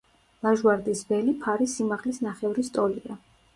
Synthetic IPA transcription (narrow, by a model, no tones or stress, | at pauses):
laʒwaɾd̪isbɛlipʰaɾisimaʁlisnaχɛvɾist̪ʼɔlia